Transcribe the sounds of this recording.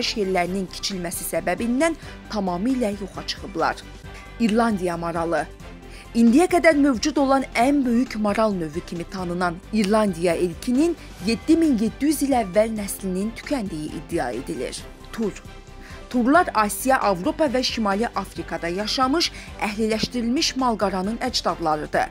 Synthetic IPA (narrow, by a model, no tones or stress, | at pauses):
ʃje̞ɾlæɾinincʰi̥t͡ʃʰilmæsisæbæbind̪æn | t̪ʰɑmɑmɯilæjo̞χɑt͡ʃʰɯ̥χɯblˠɑ̰ɾ | iɾlˠɑnd̪ijɑmoɾɑlˠɯ | ind̪ijæɡæd̪æɾmø̞vd͡ʒud̪o̞lˠɑnænbø̞jycʰmoɾɑlˠnø̞vycʰimit̪ʰɑnɯnɑniɾlˠɑnd̪ijɑilcʰinin | je̞d̪ːiminje̞d̪ːijyzilævːælnæslinint̪ʰy̥cʰænd̪ijḭʔḭd̪ːijɑ̰e̞̰d̪ilḭɾ | t̪ʰuɾ | t̪ʰuɾlˠɑɾɑːsijɑʔɑvɾo̞pɑvæʃimɑliʔɑfɾikʰɑd̪ɑjɑʃɑmɯʃæ̰ɦlilæʃt̪iɾilmiʃmɑlˠɡɑɾɑnɯnæd͡ʒd̪ɑd̪lˠɑɾɯd̪ɯ̰